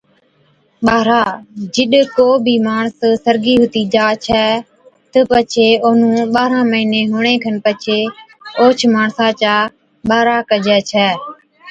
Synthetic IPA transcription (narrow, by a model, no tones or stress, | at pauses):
ɓaːɾaːd͡ʒɪɗkoːbʱiːmaːɳssəɾɡiːɦʊt̪iːd͡ʒaːt͡ʃʰɛː | t̪əpət͡ʃʰeːoːnũːɓaːɾãːməiːnẽːɦʊɳ̃eːkʰənpət͡ʃʰeː | oːt͡ʃʰmaːɳsãːt͡ʃaː | ɓaːɾaːkəd͡ʒɛːt͡ʃʰɛː